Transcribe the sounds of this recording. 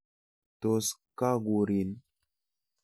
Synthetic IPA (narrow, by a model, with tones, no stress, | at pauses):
to˨ska˦ɡu˨ɾi˨n